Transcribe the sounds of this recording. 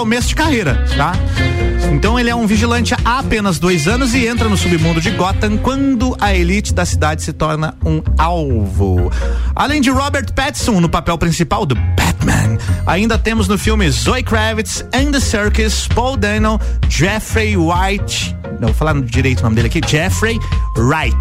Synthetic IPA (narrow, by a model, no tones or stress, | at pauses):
omesʊd͡ʒɪkahejɾɐ | t̪a | ẽnt̪ɐ̃w̃elɪɛũviʒilɐ̃nt͡ʃɪaapẽnɐzd̪ojzɐ̃nʊzɪẽnt̪ɾɐnʊsubɪmũd̪ʊd͡ʒɪɡɔt̪ɐ̃kwɐ̃nd̪ʊʔɐelit͡ʃɪd̪ɐsid̪ad͡ʒɪsɪt̪ɔɾnɐũawvʊ̰a̰lẽj̃d͡ʒɪɾɔbeɾt̪pɛt̪sõw̃nʊpapɛwpɾĩsipawd̪ʊbɛt̪mɐ̰̃na̰ĩnd̪ɐt̪ẽmʊznʊfiwmɪzojkɾɛvɪt̪sẽd̪ɪsɛɾkɪspɔwd̪ɛnɐwd͡ʒɛfɾejwajt͡ʃ | ɐ̃vofalaɾd͡ʒiɾejt̪ʊnõmɪd̪elɪakid͡ʒɛfɾejɾajt͡ʃ